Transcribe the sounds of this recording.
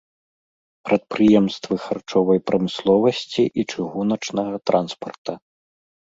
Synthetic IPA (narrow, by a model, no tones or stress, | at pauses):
pɾʔɐt̪̚pɾɨjɛmst̪vɨxart͡ʂɔvɐjpɾɐmɨslˠɔvɐsʲt͡sʲiʔit͡ʂɨɣunɐt͡ʂnɐɣɐt̪ɾʔanspɐrt̪ɐ